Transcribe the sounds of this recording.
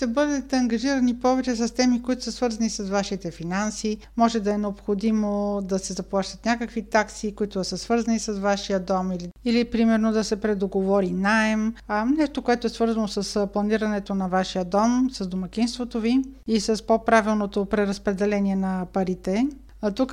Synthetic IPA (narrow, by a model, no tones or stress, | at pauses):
ʃt̪ɛbɤd̪ɛt̪ɛɐŋɡɐʒiɾɐnipɔvɛt͡ʃɛs̬ɐst̪ɛmikoit̪o̥səsvɤɾzɐnisɐsvaʃit̪ɛfinansi | mɔʒɛd̪ɐɛnɛopxod̪imod̪ɐsɛzɐplˠaʃt̪ət̪nʲakəkvit̪aksikoit̪od̪ɐsəsvɤɾzɐnisɐsvaʃijəd̪ɔmiliilipɾimɛɾnod̪ɐsɛpɾɛd̪oɡovɔɾinaɛmnɛʃt̪okoɛt̪oɛsvɤɾzɐnosɐsplˠɐniɾɐnɛt̪onɐvaʃijəd̪ɔmsɐzd̪omɐk̟inst̪vot̪oviisɐspopɾavilˠnot̪opɾɛɾɐspɾɛd̪ɛlɛniɛnɐpɐɾit̪ɛ | t̪uk